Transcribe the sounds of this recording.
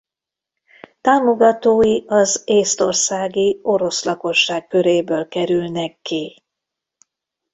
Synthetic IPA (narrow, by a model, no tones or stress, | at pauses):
t̪aːmo̞ɡɒt̪oːjiɒzeːst̪o̞̰rsaːɡio̞ɾo̞slɒko̞ʃːaːkkːøɾeːbøːlkɛɾylnɛkːi